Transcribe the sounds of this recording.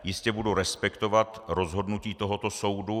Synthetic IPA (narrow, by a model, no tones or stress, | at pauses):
jɪscɛbuduɾɛspɛkt̪o̞vat̪ɾo̞zɦo̞dnuciːt̪o̞ɦo̞t̪o̞so̞wdu